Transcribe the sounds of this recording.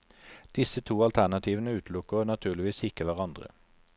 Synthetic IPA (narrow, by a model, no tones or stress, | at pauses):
d̪̥ɪsət̪ʰuːɑlt̪ʰæʁnɑt̪ʰiːʋənəʉːt̪lʊkəʁoːnɑt̪ʰʉːʁlɪʋiːsɪkəʋæʁɑnd̪ʁə̰